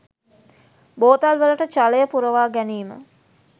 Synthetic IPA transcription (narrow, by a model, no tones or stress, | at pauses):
boːt̪alʋələʈət͡ʃaləjəpuɾəʋaːɡæniːmə̰